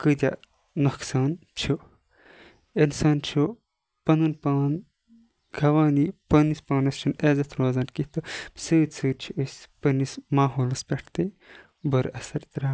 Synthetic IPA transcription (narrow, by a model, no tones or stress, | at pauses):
kɨd̪ʲa̰ | nɐksaːnt͡ʃʰu | ensɐːnt͡ʃʰo | pɐnɨnpaːn | ɡʰʱɐʋaːnipɐnispaːnɐst͡ʃʰuneːzɐt̪ʰɾoːzɐːnkit̪ɨ̥sɨːd̪ʲsʰɨːɾʲt͡ʃʰiʔɨsʲpɐnismaːɦoːlɐspʲeʈʰt̪ɨ | bɐɾɐsɐɾt̪ɾaː